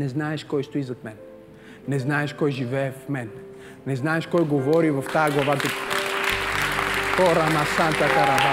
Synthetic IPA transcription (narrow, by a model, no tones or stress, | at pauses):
nɛznaɛʃkɔjʃt̪oizot̪mɛnː | ɛznaɛʃkɔjʒivɛɛfmɛnː | ɛznaɛʃkɔjɡovɔɾivɐft̪ajaɡlˠavad̪u | xɔɾanasant̪akaɾaa